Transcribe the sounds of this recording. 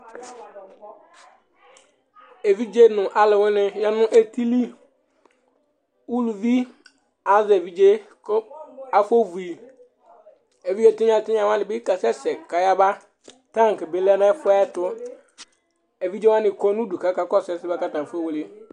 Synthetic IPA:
e˨vi˦d͡ʒe˦nʊ̃˨ʔa˨lɪ˨wʊ˦nɪ̃˦ja˦nʊ̃˦ʔe˦tʰi˦li˦ | u˦lu˨vi˦ | a˨˦ze˨vi˦d͡ʒe˦ | ka˨fo˦vu˨i˨ | e˨vi˦d͡ʒe˦tɪ˦ɲ˦ã˨tɪ˦ɲ˦ã˨wã˦nɪ˨bɪ˦ka˨sɛ˦sɛ˨ka˨ja˦ba˦ | tã˦ŋ˨kɪ˨be˨˦la˦nã˦fʊ˦ɛ˦tʊ˦ | e˨vi˦d͡ʒe˦wa˦nɪ̃˨kɔ˦nũ˦du˨ka˨˦ka˦kɔ˦sɛ˨sɪ˦ba˦ka˦tã˨fe˦wo˨le˦

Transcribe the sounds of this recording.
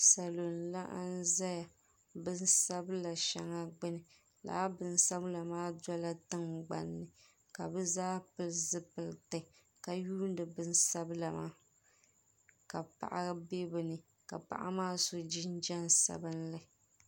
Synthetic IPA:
sa˨lo˨nla˦ʔa̰˦n̩˦za˦ja˨ | bɨ˦n˦sa˦bɨ˦la˨ʃa˨ŋa˦ɡ͡bɨ˦nɨ˨ | la̰ː˨˦bɨ˨n˦sa˦bla˨maː˦dɔ˦la˦tɨ˦ŋɡ͡ba̰˨nːɨ˨ | ka˨bɨ˦zaː˦pɨ˨lzɨ˦pɨ˨ltɨ˨ | ka˨juː˦n˦dɨ˨bɨ˦n˦sa˦bɨ˦la˨ma̰ː˦ | ka˨pa̰˨ʔa˦be˦bɨ˨nɨ˨ | ka̰˨pa̰˨ʔa̰˦maː˦so˦d͡ʒi˦n˦d͡ʒa˦nsa̰˨bɨ˦nla˨

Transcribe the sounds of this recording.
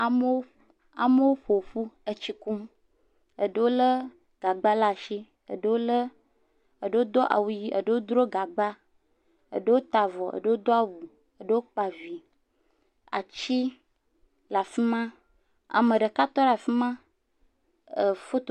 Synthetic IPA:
a˨m˦wo˦ | a̰˨mə˦wo˦ɸo˨ɸu˦ə˦t͡ɕi˨ku˦m | ə˨ɖə˦wo˦lə˦ | ɡ̥a˨ɡ͡ba˦la˦˨ʃi˦ | ə̰˨ɖə˦wo˦lə˦ | ə˨ɖə˦wo˦d̪ɔ˦ʔa̰˨wu˦ji˦ʔə̰˨ɖə˦wo˦d̪ɾo˦ɡa˨ɡ͡ba˦ | ə̰˨ɖə˦wo˦t̪a˨vɔ˨ʔə̰˨ɖə˦wo˦d̪ɔ˦a˨wu˨ | ə˨ɖə˦wo˦k͡pa˨vi˨ | a̰˨t͡ɕi˦ | la˨fi˦mã˦ | a̰˨mə˨ɖə˨ka˦t̪ɔ˦la˨fi˦mã˦ | ə˨fo˦t̪

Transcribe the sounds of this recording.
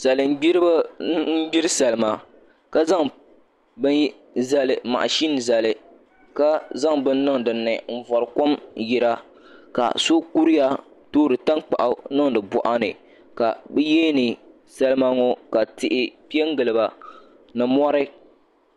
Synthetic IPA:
sa˨lɨ˨m̩˦ɡ͡bi˦ɾb̩˦ɡ͡bi˦ɾɨ˦sa˨lɨ˦ma˨ | ka˦za˦ŋ | bɨ˦n | za˨lɨ˨ma̰˨ʔʃi˦n˨za˨lɨ˨ | ka˦za˦ŋbɨ˦nː˦ɨ˦ŋdɨ˨nːɨ˨ɱ̩˦˨vɔ˨ɾɨ˨ko˦mji˨ɾa˦ | ka̰˨so˦ku˦ɾi˦ja˦ | toː˦ɾɨ˨ta˦nk͡pa̰˨ʔa˨nɨ˦ŋdɨ˨bɔ̰˨ʔa˦nɨ̰˨ | ka̰˨bɨ˦jeː˦nɨ˨ | sa˦lɨ˦ma˦ŋɔ˦ka˨tɪ˨ʔɪ˦pi˦ɛ˦ŋ˦ɡɨ˨lɨ˨ba˨ | nɨ˨mɔ˦ɾɨ˦

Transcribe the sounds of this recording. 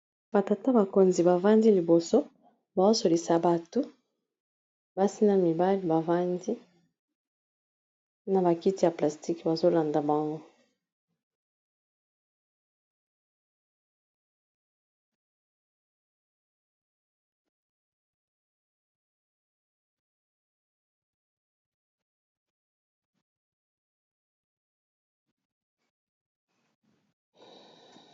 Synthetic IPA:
b̥a˨ta˨ta˦ba˨ko˨nzi˨ba˨va˦ndi˦li˨bo˨so˦ | ba˨o˦so˨li˨sa˨ba˨tu˦ | ba˦si˦na˦mi˨ba˦li˦ba˨va˦ndi˦ | na˨ba˨ki˦ti˦ja˨pla˨sti˦kba˨zo˦la˨nda˨ba˨ŋɡo˦

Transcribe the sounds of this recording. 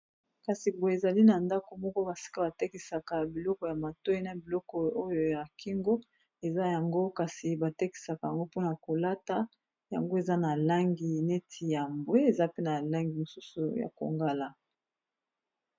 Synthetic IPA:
ka˨si˨bo˨e˨za˨li˦na˨nda˦ko˨mɔ˦kɔ˦ba˨si̥˦ka˦ba˨te˦ki˨sa˨ka˨bi˨lɔ˦kɔ˨ja˨ma˨to˦i˦na˨bi˨lɔ˦kɔ˨o˦jo˨ja˨ki˦ŋɡo˦ | e˨za˦ja˨ŋɡo˦ka˨si˨ba˨te˦ki̥˨sa˨ka˨ja˨ŋɡo˦po˦na˨ko˨la˦ta˦ | ja̰˨ŋɡo˦e˨za˦na˨la˦ŋɡi˨ne˦tʰi˨ja˨mbwe˦e˨za˦pe˦na˨la˦ŋɡi˨mo˨su˦su˨ja̰˨ko̰˨ŋɡa˦la˦

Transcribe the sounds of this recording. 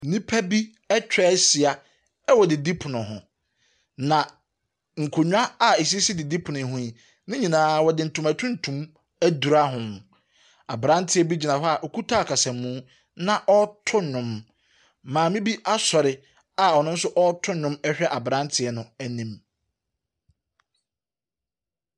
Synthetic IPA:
nĩ˦pʰæ˦bi˦ | ɛ˦t͡ɕᶣɾɛ˦si˨a˨ | ɛ˦wɔ˨dɪ˨di˦pʰʊ˨nʊ̃˨ɦʊ̰̃˨ | nã˨ | ŋ̩˨kʰo˨ɲᶣ˦a˦a˨e˨s̬i˦si˦dɪ˨di˦pʰʊ˨nʊ̃˨ɦʊ̃˦i˨ | nɪ̃˦ɲĩ˨nãː˦wɔ˨dɪ˨n̩˨tʰũ˨mæ˨tʰʊ̃˦n̩˨tʰũ˨m | æ˦du˨ɾa˦ɦʊ̃˨ŋ | a̰˨bɾã˦n˦tʰɪ˦ɛ˦bi˦d͡ʑi˨nã˨ɦɔ˦a˨ʔo˨kʰu˦tʰaː˦˨kʰa˨sɛ̃ː˨ũː˦ | nã˦ʔɔ˦tʰʊ˦nʊ̃˨m | mãː˨mĩ˦bi˦ʔa˦sɔ˨ɾɪ˨ | a˨ɔ˨nʊ̃˦n̩˦sʊ˦ʔɔ˦tʰʊ̃˦nʊ̃˦mɛ˦ɕᶣɛ˦ʔa˨bɾã˦ntʰɪ˨ɛ˦nʊ̃˨æ˦nĩ˦m

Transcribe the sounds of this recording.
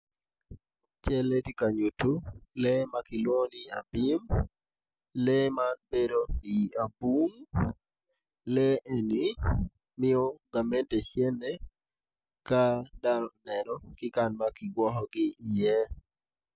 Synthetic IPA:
t͡ʃɛ˦le˦ti˦ka˨ɲu˨tu˦lɛma˦kɪ˨lwo˦nɪ˦a̰˨bɪ˦m | lɛmanbe˦dokɪ˨a˨bu˦ŋ | lɛ˦e˨ni | mɪ˦ɔ˦ɡa˨mɛ˦ntɛ˨ʃjɛ˦nɛ˦ | kadanɔnɛnɔ˦kɪ˦kanmakɪ˨ɡwɔ˦ɦɔɡɪɪ˨jɛ

